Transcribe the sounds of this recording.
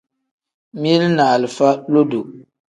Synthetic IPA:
m˦i˦lnaː˨lɨ˨fa˦lo˦do˨

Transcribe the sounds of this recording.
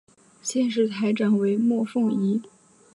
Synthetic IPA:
ɕjɛ˥˧nʂ̬ɻ̩˥˩t̪ʰa˧˥ɪʈ͡ʂa˨˩nwe˧˥ɪmwɔ˥˧fʊ˥˩ŋi˧˥

